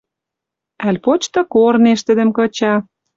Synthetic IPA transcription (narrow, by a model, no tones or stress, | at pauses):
ælʲpot͡ɕt̪ɤ̆korneʃt̪ə̆d̪ə̆mkɤ̆t͡ɕɑ